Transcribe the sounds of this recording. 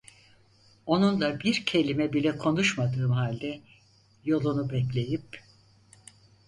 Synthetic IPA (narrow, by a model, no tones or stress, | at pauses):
o̞nunlˠabiɾcʰe̞lʲimɛbilʲɛkʰo̞nuʃmad̪ɯːmɦalʲd̪ɛ | jo̞lˠunubɛc̬lʲe̞jip̚